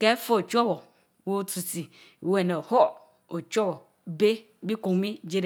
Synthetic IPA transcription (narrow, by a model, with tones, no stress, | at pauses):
kɛ˦fo˦o˨t͡ʃɔ˦wɔ˨ | wo˦tu˨si˨ | wɛ˨nɛ̃˨hɔ˦ | o˨t͡ʃɔ˦wɔ˨ | be˦ | bi˦ko˨ŋ˦mĩ˦d͡ʒe˦ɾe˨